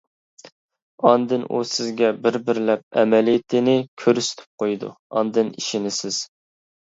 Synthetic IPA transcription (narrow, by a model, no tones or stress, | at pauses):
ɑnd̪ɨnʔṵsɪzɡʲɛbɪɾbɪɾlɛp̚ɛ̰mɛlijt̪ʰɪnɪkʲʰøɾysy̥t̪ʰɪ̥p̚qʰojd̪ṵɑnd̪ɨniʃinɪsɪz̥